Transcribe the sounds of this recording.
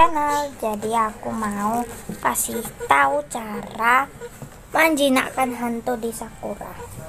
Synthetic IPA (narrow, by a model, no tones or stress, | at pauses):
anald͡ʒadiakumaukasiht̪aut͡ʃaɾa | maɲd͡ʒina̰kanɦant̪ɔdisakuɾa̰